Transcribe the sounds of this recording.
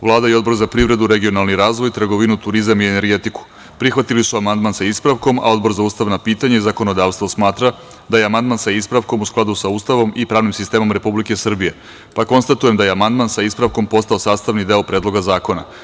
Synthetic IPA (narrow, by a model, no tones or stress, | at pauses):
ʋlˠaːd̪aio̞d̪bo̞ɾzapɾiʋɾe̞d̪uɾe̞ɡio̞nalˠniɾaːzʋo̞jt̪ɾr̩ɡo̞ʋinut̪uɾizamiene̞ɾɡe̞t̪iku̥ | pɾixʋat̪ilisuamand̪mansaispɾaʋko̞ma̰o̞d̪bo̞ɾzauːst̪aʋnapiːt̪aɲaizako̞no̞d̪aːʋst̪ʋo̞smaːt̪ɾa | d̪ajeamand̪mansaispɾaʋko̞musklˠad̪usauːst̪aʋo̞mipɾaːʋnimsist̪e̞ːmo̞mɾe̞publike̞sr̩bije̞ | pako̞nst̪at̪uje̞md̪ajeamand̪mansaispɾaʋko̞mpo̞st̪aosaːst̪aʋnid̪e̞opɾe̞ːd̪lˠo̞ɡazaːko̞na̰